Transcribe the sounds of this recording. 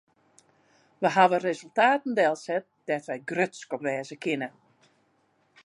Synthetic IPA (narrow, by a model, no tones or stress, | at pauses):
ʋəɦaʋərezəlˠtaːtən̩dɛlˠsɛt̚d̥ɛtʋɛjɡrøtskɔpʋɛːzəkʰɪnə